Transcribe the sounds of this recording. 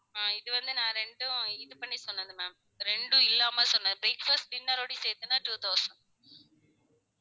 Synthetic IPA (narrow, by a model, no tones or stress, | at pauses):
aːɪðɯʋɐnd̪ɯnãːɾɛɳɖɯ̃ɪðɯpɐɳːisɔnːɐnd̪ɯmɛ̃ːm | ɾɛɳɖɯ̃ɪlːaːmɐːsɔnːɐd̪ɯbeːkfɐsʈʈɪnːɐɾoːɽiseːt̪ːɯnːaːʈuːt̪ʰɐʊsɐɳɖ